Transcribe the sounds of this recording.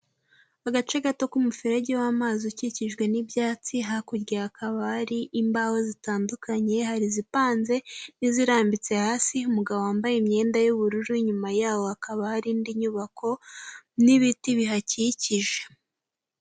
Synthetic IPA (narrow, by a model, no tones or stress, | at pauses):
aɡat͡ʃeɡato̞kumufiɾeɟewamazuciciʒɡwe̞nibjaːt͡siɦakuɾɡiakʰaβahaɾiʔimbahozitaːndukʰaɲe̞haɾizipaːnze̞niziɾaːmbit͡se̞haːsiumuɡaβowaːmbajimɲe̞ːndajuβuɾuɾuiɲumajaːwo̞akaβahaɾindiɲuβakʰo̞niβitiβiɦaciciʒe̞̥